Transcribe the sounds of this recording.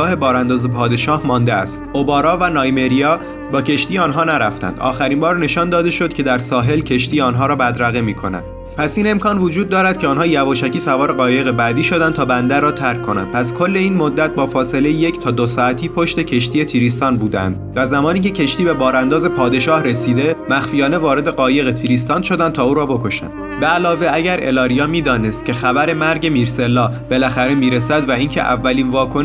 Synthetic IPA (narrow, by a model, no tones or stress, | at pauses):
ɒːhe̞bɒːɾænd̪ɒːzepʰɒːd̪e̞ʃɒːhmɒːnd̪eæst̪obɒːɾɒːvænɒːjme̞ɾijɒː | bɒːcʰe̞ʃt̪iːje̞ɒːnɦɒːnæɾæft̪æ̰nd̪ʔɒ̰ːxæɾiːnbɒːɾne̞ʃɒːnd̪ɒːd̪e̞ʃo̞d̪̚cʰe̞d̪æɾsɒːɦe̞lcʰe̞ʃt̪iːjeɒːnɦɒːɾɒːbæd̪ɾæɣemiːkʰo̞næ̰nd̪̥ | pʰæsiːne̞mkʰɒːnvod͡ʒuːd̪̚ːɒːɾæd̪̥̚cʰeɒːnɦɒːjævɒːʃæcʰiːsævɒːɾeɣɒːje̞ɣe̞bæd̪iːʃod̪ænt̪ʰɒːbænd̪ærːɒːt̪ʰæɾkʰːo̞næ̰nd̪̥̚pʰæskʰo̞lːe̞iːnmod̪ːæt̪̚bɒːfɒːse̞le̞jijecʰt̪ʰɒːd̪osɒːæt̪ʰiːpʰo̞ʃt̪e̞cʰe̞ʃt̪ije̞t̪ʰiːɾist̪ɒːnbuːd̪æ̰nd̪væzæmɒːniːcʰe̞cʰe̞ʃt̪iːbe̞bɒːɾænd̪ɒːze̞pʰɒːd̪e̞ʃɒːhɾe̞siːd̪e̞mæxfijɒːne̞vɒːɾe̞d̪e̞ɢɒːje̞ɣet̪ʰiːɾiːs̬t̪ɒːnʃo̞d̪ænd̪̚t̪ʰɒːuːɾɒːbo̞kʰo̞ʃæ̰nbeælɒːve̞æɟæɾʔe̞̰lɒːɾijɒːmiːd̪ɒːne̞st̪̚cʲʰe̞xæbæɾe̞mæɾɟe̞miːɾse̞lːɒːb̥e̞læxæɾe̞miːɾesæd̪væiːncʰe̞̰ʔæ̰vːæliːnvɒːkʰon